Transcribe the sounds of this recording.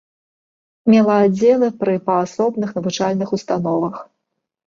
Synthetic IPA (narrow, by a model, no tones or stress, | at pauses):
mʲɛlˠɐad͡zʲːɛlˠɨpɾɨpɐasɔbnɨxnɐvut͡ʂalʲnɨxust̪an̪ɔvɐx